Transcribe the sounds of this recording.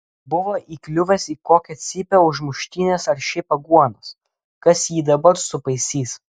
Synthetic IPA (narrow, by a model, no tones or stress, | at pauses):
bʊʋoːʔiːklʲʊʋʲɛsiːkoːkʲɛt̪sʲɪpʲɛʊʒmʊʃʲt̪ʲiːnʲeːsɐɾʃʲɪpɐɡuɔnos | kɐsjiːd̪ɐbɐɾsʊpɐɪsʲiːs